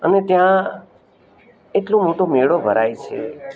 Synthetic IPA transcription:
ənet̪jã | eʈlõmoʈomeɭobʱəɾajt͡ʃʰḛ

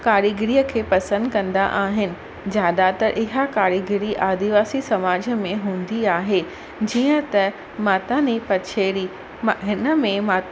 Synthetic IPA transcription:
kaːɾjəɡɪɾiːəkʰeːpɐsə̃nd̪kɐ̃nd̪a̰ʔaːɦɪnɪ̆ | d͡ʑjaːɗ̪at̪ɐʔɪɦakaːɾjəɡɪɾiʔaːd̪iʋaːsisɐmaːd͡ʑəmẽɦũːn̆d̪iaːɦe | d͡ʑiːə̃t̪ɐ | maːt̪anipɐt͡ɕʰeːɾi | ɦɪnə̆mẽmaː

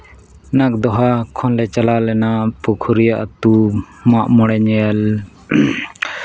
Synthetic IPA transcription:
nak̚d̪ɔɦakʰɔnlɛt͡ʃalalɛnapukʰuɾijaʔt̪u | maʔmɔɽɛɲɛl

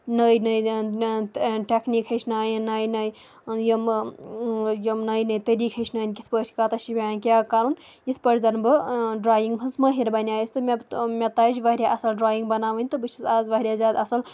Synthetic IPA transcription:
nɐːjnɐj | ʈʲeknikhət͡ʃʰnaːjnaːjnaj | jɐm | jəmnaːjnɐːjt̪ɐɾiːkʰhət͡ʃʰnɐːnʲkʲit̪ʰpət͡ʃʰkat̪ɐʃibʲanʲkʲjaːkaːɾun | jit̪ʰpəɾʰʲzɐnbɨɖɾaːjiŋɡbʰɐzməɦiɾbɐnʲaːisʲt̪ɨmebmʲet̪aːd͡ʒʋɐɾʲjaʔɐsɐlɖɾaːjiŋɡbɐnaːʋɐnʲt̪ɨbɨt͡ʃʰizaːzʋɐɦɾʲjaːzʲaːd̪ɐsɐl

